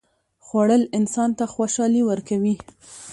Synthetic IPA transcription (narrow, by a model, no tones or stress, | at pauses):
xwaɽəlɪnsɑnt̪axwaʃɑliwəɾkawi